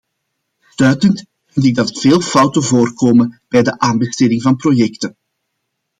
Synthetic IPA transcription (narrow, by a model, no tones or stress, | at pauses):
stœːtənt | vɪnt̬ɪɡ̚dɑtv̥eːlˠfɑwtəvoːrkoːmənb̥ɛjdəʔaːnbəsteːdɪŋvɑnprojɛktən